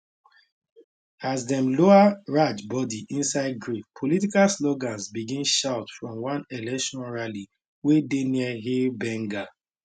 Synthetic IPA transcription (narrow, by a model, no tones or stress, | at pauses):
azdɛ̃mloaɹat͡ʃbɔdiʔĩnsaɪd̚ɡɹifpʰolitikalsloɡãnsbiɡĩnʃaʊtfɹɔ̃mwãnɛlɛkʃɔ̃nɹali | wedeniəɦilbɛ̃ŋɡa